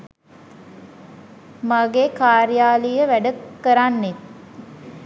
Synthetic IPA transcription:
maɡeːkaːɾijaːlijəʋæɖəkəɾanːet̪̚

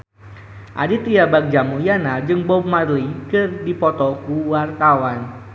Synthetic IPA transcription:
ʔa̰dit̪ijabak̚d͡ʒamujanad͡ʒɨŋbɔb̚marlikɨrdipɔt̪ɔkuwart̪awan

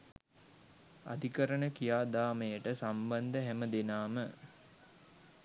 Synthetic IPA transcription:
a̰d̪ʱikəɾəɳəkijaːd̪aːməjəʈəsamband̪əɦæməd̪enaːmə

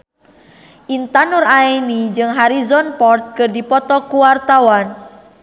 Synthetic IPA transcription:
ʔint̪anuraenid͡ʒɨŋɦaɾizɔnpɔrt̪̚kɨrdipɔt̪ɔkuwart̪awan

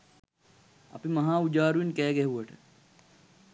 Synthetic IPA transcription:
ɐ̰pimɐɦãːud͡ʒaːɾuinkɛːɡeɦuɐʈʰ

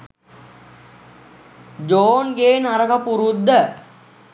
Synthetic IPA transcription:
d͡ʒoːnɡeːnaɾəkəpuɾud̪ːə

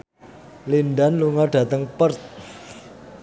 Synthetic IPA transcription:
linɖanluŋaɖ̥ä̤t̪əŋpərt̪̚

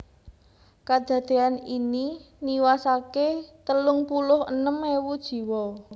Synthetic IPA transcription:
kad̪̥ä̤d̪̥e̤anini | niwasaket̪əlʊŋpulʊɦə̰nəmewud̥ʒ̥i̤wɔ

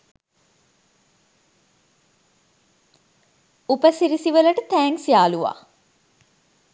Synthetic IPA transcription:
upəsiɾisiʋəlɐʈət̪æːŋsijaːluʋa̰ː

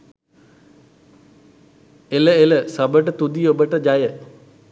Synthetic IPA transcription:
eləeləsəbəʈət̪ud̪iobəʈəd͡ʒajə

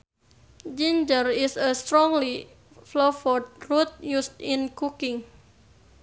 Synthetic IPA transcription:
d͡ʒind͡ʒərisəst̪ɾɔŋli | flofɔd̚rut̪̚just̪inkukɪŋ

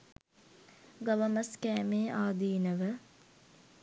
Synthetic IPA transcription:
ɡɐʋəməskæːmeːʔaːd̪iːnəʋə

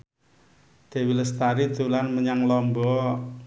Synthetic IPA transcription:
d̪̥e̤wiləst̪aɾid̪̥ṳlanməɲaŋlɔmbɔ

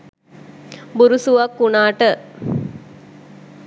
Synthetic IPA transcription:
buɾusuʋakːunaːʈə

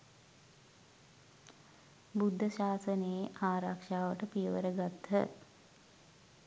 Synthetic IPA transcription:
bud̪ʱːəʃaːsəneeʔaːɾakʂaːʋəʈəpiəʋəɾəɡat̪ːə̰

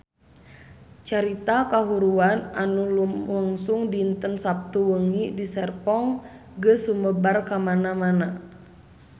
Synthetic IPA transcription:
t͡ʃaɾit̪akaɦuɾuananulumwaŋsuŋdiːnt̪ənsap̚t̪uwəŋidisɛrpɔŋ | ɡəsuməbarkamanamana

